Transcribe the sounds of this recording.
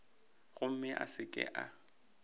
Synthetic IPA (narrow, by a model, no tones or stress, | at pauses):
ɣʊm̩mɪʔa̰sɪkʼɪ̰ʔa